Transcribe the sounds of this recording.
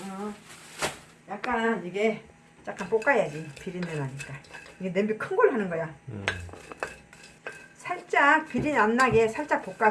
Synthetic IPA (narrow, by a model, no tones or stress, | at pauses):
ʌ | jak̚k͈aniɡe̞ | t͡ɕ͈ak͈ʰanp͈ok͈ajad͡ʑipiɾinːenaɲik͈aiɡe̞nembikʰɯnɡoɭhanɯnɡʌja | sʰaɭt͡ɕ͈ak̚piɾinamnaɡesʰaɭt͡ɕ͈ak̚p͈ok͈a